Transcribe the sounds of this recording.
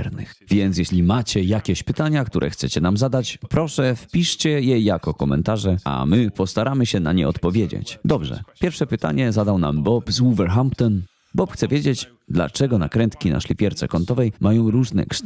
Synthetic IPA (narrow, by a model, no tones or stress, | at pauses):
ɾnɨxvʲjɛnt̪sjɛɕlʲimat͡ɕɛjakʲeɕpɘt̪aɲakt̪uɾʔɛ̰xt̪sɛt͡ɕɛnamzad̪at͡ɕpɾɔʂɛfpʲiʂt͡ɕɛjɛjakɔkɔmɛ̰nt̪aʐɛa̰mɘpɔst̪aɾamɘɕɛna̰ɲɛ̰ɔt̪pɔvʲjed͡ʑḛt͡ɕd̪ɔbʐɛ̰pʲjɛɾfʂɛpɘt̪a̰ɲɛzad̪awna̰mbɔpzuvɛɾxampt̪ɔn | bɔpxt̪sɛvʲjed͡ʑet͡ɕ | d̪la̰t͡ʂɛɡɔnakɾɛnt̪kʲina̰ʂlʲipʲjɛɾt̪sɛ̰kɔnt̪ɔvɛjmajɔ̃w̃ɾuʐnɛ̰kʂ